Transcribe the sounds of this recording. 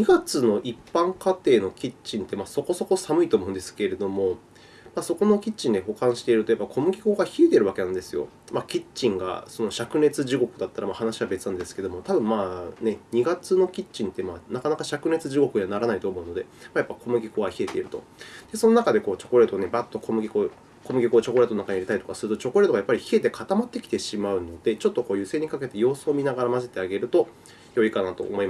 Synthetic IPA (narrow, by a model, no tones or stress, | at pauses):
ɲiɡat͡sɨno̞ʔipːãŋkat̪e̞ːno̞kʲit͡ɕĩnt̪e̞maːso̞ko̞so̞ko̞samɯ̟it̪oːmoɯ̟nd̪e̞sɨ̥ke̞ɾe̞d̪o̞mo̞ | maːso̞ko̞nokʲit͡ɕĩnd̪e̞ho̞kãɰ̃ɕi̥t̪e̞iɾɯ̟t̪o̞japːakʰo̞mɯ̟ɡʲikoɡaçie̞t̪eɾɯ̟βake̞nãnd̪e̞sɨjo̞̰ | makʲit͡ɕĩŋɡa̰so̞no̞ɕakɯ̟ne̞t͡sɨʑiɡo̞kɯ̟d̪at̪ːaɾamahanaɕiβabe̞t͡sɨnãnd̪e̞sɨ̥ke̞d̪o̞mo̞t̪abɯ̟̃mmaːne̞ɲ̟iɡat͡sɨno̞kʲit͡ɕĩnt̪e̞manakanakaɕakɯ̟ne̞t͡sɨʑiɡo̞kɯ̟ɲanaɾanait̪o̞ːmo̞ɯ̟no̞d̪e̞maːjapːaiko̞mɯ̟ɡʲikoɡaçie̞t̪e̞iɾɯ̟t̪o̞̰ | d̪̥e̞so̞no̞nakad̪e̞ko̞ːt͡ɕo̞ko̞ɾe̞ːt̪one̞bat̪ːo̞kʰo̞mɯ̟ɡʲiko | ko̞mɯ̟ɡʲikot͡ɕo̞ko̞ɾe̞t̪onnakaɲiaɾit̪aɾit̪o̞kasɨɾɯ̟t̪o̞t͡ɕo̞ko̞ɾet̪oajapːaɾʲiçiet̪e̞kʰat̪amat̪ːe̞kʲi̥t̪e̞ɕimaɯ̟no̞d̪̥e̞t͡ɕo̞t̪ːo̞ko̞ːjɯ̟se̞ːɲ̟ikake̞t̪e̞jo̞ːsoːmʲinaɡaɾamazet̪e̞aɡe̞ɾɯ̟t̪o̞ | jo̞ikanat̪o̞̰ːmo̞imas